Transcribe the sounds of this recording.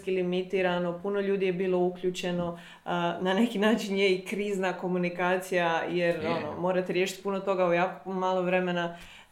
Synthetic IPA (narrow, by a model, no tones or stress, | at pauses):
kilimit̪iɾano̞puno̞ʎuːd̪ije̞biːlˠo̞ukʎut͡ʃe̞no̞ | nane̞kinaːt͡ʃinje̞ikɾiːznako̞munikaːt̪sijaje̞ɾo̞no̰mo̞ːɾat̪eɾjeʃi̥t̪ʲpuno̞t̪o̞ɡaujaːko̥maːlˠoʋɾe̞mena